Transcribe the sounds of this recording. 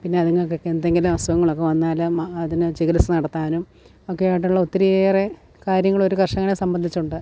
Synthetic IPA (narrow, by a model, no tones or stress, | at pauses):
pinːe̞ɐðiŋːɐɭokːekːeend̪e̞ŋɡilumɐsɐɣɐŋːɐɭo̞kːe̞ʋɐnːaːlɨɐðinɨt͡ɕiɣilɐsɨnɐɽɐt̪ːaːnum | okːejiʈ̬ːuɭːɐut̪ːɐɾijeːre | kaːɾjɐŋːɐɭo̞ɾukɐrʂɐŋːɳesɐmbɐnd̪ʱit͡ɕːuɳɖɨ